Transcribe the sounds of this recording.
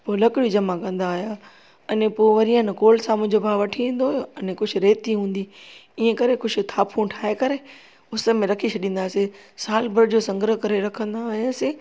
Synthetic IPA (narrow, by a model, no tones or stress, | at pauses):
poːlɐkɪɽid͡ʑɐmãkɐ̃nd̪aːjaː | ɐnepoːʋɐɾiə̃nkoːlsãmʊ̃ɪ̃ɲd͡ʑobaːʋɐʈʰiĩːnd̪ojɐnekʊd͡ʑʱʊɾeːt̪iɦũːn̆d̪iiːə̃kɐɾekʊd͡ʑʱʊ̆t̪ʰaːpʰũʈʰaːekɐɾe | ʊsə̆mẽɾɐkʰit͡ɕʰɐɗĩːnd̪aːsesaːlbəɾd͡ʑosɐ̃ŋɡɾəɦkɐɾeɾɐkʰə̃nd̪aɦjase